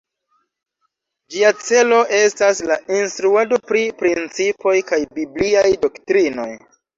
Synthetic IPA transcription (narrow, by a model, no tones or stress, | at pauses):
d͡ʒiat͡se̞lo̞ʔe̞staslainstɾuado̞pɾipɾint͡sipo̞jkajbibliajdo̞ktɾino̞̰j